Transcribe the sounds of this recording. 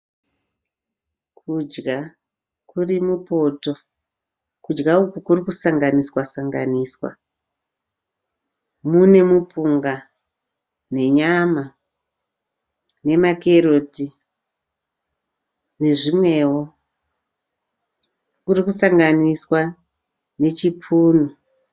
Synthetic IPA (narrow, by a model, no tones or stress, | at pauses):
kʰud͡ʒɡa | kurimupo̞to̞ | kud͡ʒɡaukukurikusaŋɡaniswasaŋɡa̰niswa̰ | mune̞mupuŋɡa | ne̞ɲama | ne̞make̞ɾo̞ti | ne̞ʐimwe̞wo | kurikusaŋɡaniswa | ne̞t͡ʃipʰuːnu